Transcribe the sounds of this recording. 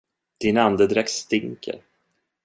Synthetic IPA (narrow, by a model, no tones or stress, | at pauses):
d̪̥ɪnand̪əd̪ɾɛkst̪ɪŋkʰə̰ɾ